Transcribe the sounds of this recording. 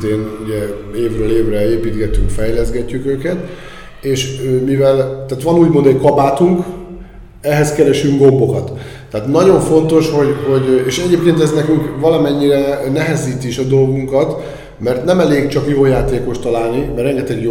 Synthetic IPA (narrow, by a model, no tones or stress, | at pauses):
eːnuɟɛeːvrøːleːvrɛeːpiːt̪ɡɛt̪ːyŋkfɛjlɛzɡɛcːykøːkɛt̪ | eːʃømivɛlt̪aːt̪ʋɒnuːɟmo̞nd̪ɛɟkɒbaːt̪uŋk | ɛɦɛskɛɾɛʃyŋɡɡo̞mbo̞kɒt̪ː | aːt̪nɒɟo̞ɱfo̞nt̪o̞ʃho̞ɟɦo̞ɟeːʃɛɟeːp̚keːnt̪ɛznɛkyŋkvɒlɒmɛɲːiɾɛnɛɦɛziːt̪iiʃɒd̪o̞lɡuŋkɒt̪ | mɛrt̪nɛmɛleːɡt͡ʃɒkjoːjaːt̪eːko̞ʃt̪ɒlaːlnimɛrɛŋɡɛt̪ɛɡ